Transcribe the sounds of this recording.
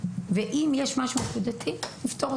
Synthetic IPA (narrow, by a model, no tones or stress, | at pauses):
veʔimjeʃmaʃumekud̪at̪ʰinift̪o̞ʁ